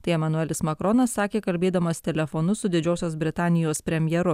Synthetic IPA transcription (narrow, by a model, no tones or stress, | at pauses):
t̪ɐɪɛmɐnʊɛlʲɪsmɐkɾoːnɐsːɑːkʲeːkɐlʲbʲeːd̪ɐmɐst̪ʲɛlʲɛfonʊsʊd̪ʲɪd͡ʒʲoːsʲoːs̬bʲɾʲɪt̪ɑːnʲɪjoːspʲɾʲɛmʲjɛɾʊ